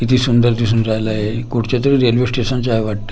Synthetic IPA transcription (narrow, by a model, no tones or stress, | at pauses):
it̪ʰiːsund̪əɾt̪is̬uːnd͡zajlaje | kuɽt͡ɕat̪əɾiɾelʋesʈesənt͡ɕajʋaʈ̚t̪ə̥